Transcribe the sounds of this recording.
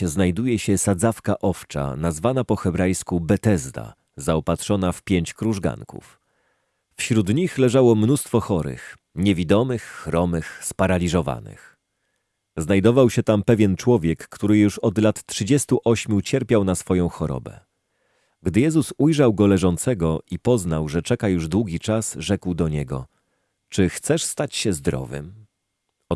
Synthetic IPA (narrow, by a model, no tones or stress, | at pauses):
znajd̪ujɛɕɛsad̪zafkaʔɔft͡ʂa̰nazvanapɔxɛbɾajskubɛt̪ɛzd̪a̰ | zaɔpat̪ʂɔnafpʲjeɲt͡ɕkɾuʐɡa̰ŋkṵf | fɕɾud̪ɲixlɛʐawɔmnust̪fɔxɔɾɘ̰x | ɲɛvʲid̪ɔmɘxːɾɔmɘxspaɾalʲiʐɔva̰nɘ̰x | znajd̪ɔvawɕɛt̪ampɛvʲjɛnt͡ʂwɔvʲjɛkːt̪uɾɘjuʂɔd̪lat̪tʂɘd͡ʑɛst̪uʔɔɕmʲjut͡ɕɛɾpʲjawnasfɔjɔ̃w̃xɔɾɔ̰bɛ̰ | ɡd̪ɘjɛzusujʐawɡɔlɛʐɔnt̪sɛɡɔʔipɔznawʐɛt͡ʂɛkajuʐd̪wuɡʲit͡ʂasʐɛkwd̪ɔɲɛɡɔ̰ | t͡ʂɘxt̪sɛʂst̪at͡ɕɕɛzd̪ɾɔ̰vɘ̰m